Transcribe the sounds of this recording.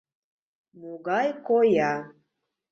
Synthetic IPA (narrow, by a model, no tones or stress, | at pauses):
muɡajkoja